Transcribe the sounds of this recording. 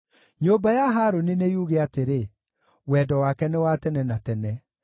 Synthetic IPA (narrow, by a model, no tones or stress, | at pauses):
ɲoːbajaɦaɾonenejuɣeateɾe | wɛdɔwakɛnewatɛnɛnatɛnɛ